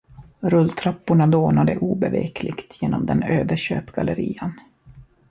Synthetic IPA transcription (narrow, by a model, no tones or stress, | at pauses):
ɾɵlːt̪ʰɾapːʊɳad̪oːnad̪əʔuːbɛvḛːkʰlɪɡt̪ʰjeːnɔmd̪ɛnøːd̪əɕøːpɡaləɾiːən